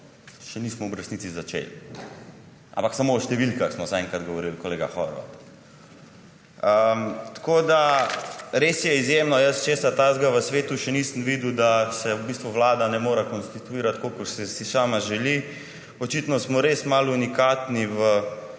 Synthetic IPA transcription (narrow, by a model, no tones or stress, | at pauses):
ʃɛnismɔɔbɾəsniːt̪t͡s̪izat͡ʃḛl | ʔã̰mpaksamoːʃt̪ɛʋilkaxsmɔzaɛŋkɾad̪ɡɔʋɔɾilkɔleːɡa̰xɔ̰ɾʋa̰ | ət̪koːd̪a | ɾesjɛizjeːmnɔjəst͡ʃeːsat̪aːzɡaʋəsʋeːt̪uʃɛniːsəmʋid̪ud̪asɛubiːst̪ʋuʋlaːd̪anɛmoːɾɛkɔnst̪it̪uiːɾat̪kokəɾsɛsisaːmaʒɛli | ɔt͡ʃit̪nɔsmɔɾesmalunikaːt̪niʋə